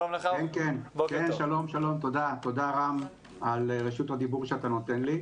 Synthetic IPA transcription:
eakenkenkenʃalo̞mʃalo̞mt̪o̞d̪at̪o̞d̪aʁam | alʁeʃut̪had̪ibuʁʃeat̪ano̞t̪e̞nli

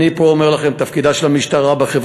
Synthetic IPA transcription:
ipoːmeʁlaχemt̪afkid̪aʃelamiʃt̪aʁabeχev

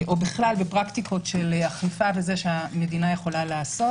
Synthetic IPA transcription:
ʔo̞biχlalbepʁakt̪ikʰo̞tʃelaχlifavezeʃeame̞dinaje̞χo̞lalaːsot

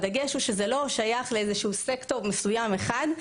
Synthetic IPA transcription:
daɡeʃuʃezelo̞ʃajaχleezeʃuusektomesujame̞χad

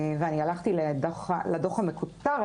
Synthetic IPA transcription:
veanialaχt̪iledoχladoχamekutaʁ

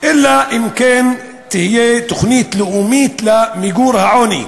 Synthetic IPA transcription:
ʔɪlːaʔɪmkeːn | t̪ɪhɪjet̪ʊxniːt̪lʊʔuːmiːt̪lamɪɡuːɾhaʕoːnḭ

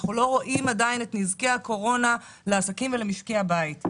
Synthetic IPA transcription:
χnulo̞ʁo̞ʔimadajinetnizkeako̞ʁo̞na | leasakimvelemiʃkeabait

